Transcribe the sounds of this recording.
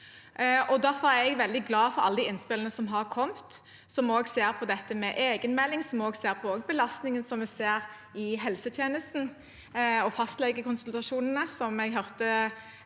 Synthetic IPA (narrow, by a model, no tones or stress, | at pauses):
ɔd̪æfɔɾæɾɛɡʋɛld̪ɪɡlɑːfɔɾɑ̰lːəd̪ɪɪnspɪlənəsɔmɦɑɾkʰɔmt̪ | sɔmoːɡseːɾpʰɔd̪ɛt̪ːəmɛʔeːɡənmɛlːɪŋsɔmoːɡseːɾpʰɔoːɡbəlɑst̪nɪŋənsɔmʋɛseːɾ | ɪɦɛlsət̪ʰjeːnəst̪n̩ | ɔfɑst̪lɛɡːəkʰʊnsəlt̪ɑʂuːnənəsɔmɛɡɦœɾt̪ə